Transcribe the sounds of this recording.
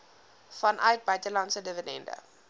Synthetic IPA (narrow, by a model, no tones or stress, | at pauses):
fɐnʔœɥt̚bœɥtəlɐntsədəvədɛ̰ndə̰